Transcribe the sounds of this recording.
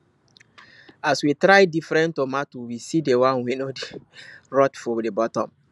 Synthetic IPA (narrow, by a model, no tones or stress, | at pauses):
aswitɾaɪdifɹɛ̃ntomatuwisidewãnwenodeɹɔtfɔdebɔtɔ̃m